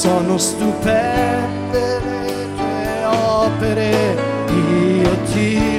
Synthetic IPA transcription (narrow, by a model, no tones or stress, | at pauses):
sɔːnost̪upɛnd̪e | e | kleɔpeɾe | d̪iok̪ːi